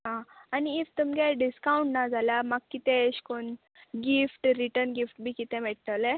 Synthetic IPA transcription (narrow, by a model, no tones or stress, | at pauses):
ɦãaniːʋt̪umɡɛɖiskauɳʈnad͡zʱalamaɡkːit̪ẽɕkon | ɡifʈɾiʈəɾnɡifʈ̚bʱiːkit̪ɛ̃mɛʈ̚t̪əle